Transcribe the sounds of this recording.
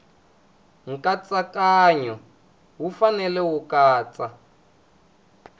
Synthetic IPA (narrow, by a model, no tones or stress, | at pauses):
ŋ̩kat͡sakaːɲɔ | ɦufanɛlɛwukaːt͡sa